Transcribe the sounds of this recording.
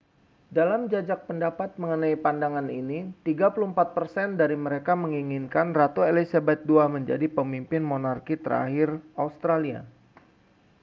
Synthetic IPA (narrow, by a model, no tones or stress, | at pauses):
dalamd͡ʒad͡ʒak̚pəndapat̪̚məŋənaipandaŋaninit̪iɡapuluhəmpat̪̚pərsɛndaɾiməɾekaməŋiŋinkanrat̪uelisabɛt̪̚duaməɲd͡ʒa̰dipəmimpɪnmonarkit̪ə̰ɾa̰ɦɪraust̪ɾalia̰